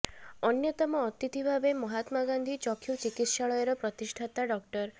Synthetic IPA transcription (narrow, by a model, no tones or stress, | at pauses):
ɔnjɔt̪ɔmɔːt̪it̪ibʱabemɔɦat̪maɡand̪ʱit͡ʃɔkʰjut͡ʃikit̪ʃaɭɔjeɾɔpɾɔt̪iʃʈʰat̪aɖɔk̚ʈɔɾ